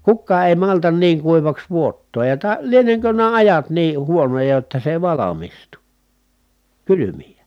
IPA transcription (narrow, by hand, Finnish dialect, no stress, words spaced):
kukːɑː eˑi mɑltɑn niːŋ kuiʋɑks ʋuotːoːj jɑ tɑ lieneŋkø næː ɑjɑt niːh huonojɑ jotːɑ se ĕĭ ʋɑlɑmistu kylymijæ